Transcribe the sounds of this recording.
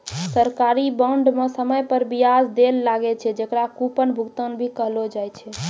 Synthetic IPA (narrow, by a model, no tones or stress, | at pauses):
səɾkaɾibəɳɖmesəməjpəɾbijad͡ʒd̪elːaɡɛt͡ʃʰɛd͡ʒekɾakupənbʱukt̪ənbʱikəɦlod͡ʒajt͡ʃʰɛ